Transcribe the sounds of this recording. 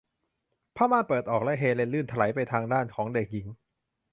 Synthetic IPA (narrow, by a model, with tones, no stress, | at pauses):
pʰaː˥˩maː˥˩pɤː˨˩t̪̚ʔɔː˨˩k̚lɛ˦˥ɦeː˧le˧nlɯː˥˩nt̪ʰa˧la˩˦jpa˧jt̪ʰaː˧ŋdaː˥˩nkʰɔː˩˦ŋde˨˩k̚ji˩˦ŋ